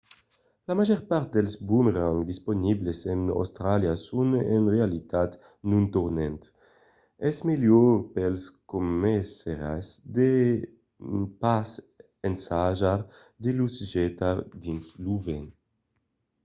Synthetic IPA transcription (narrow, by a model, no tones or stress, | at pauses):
lamaʒeɾpaɾt̪̚d̪elsbumɾaŋd̪isponiblesena̰wst̪ɾaljasunḛnʁealit̪at̪ | nũnt̪uɾnɛnt̪ | ɛsmeljoɾpelskomeseɾasd̪e | pas | ensaʒaɾ | d̪elusʒet̪aʁd̪insluven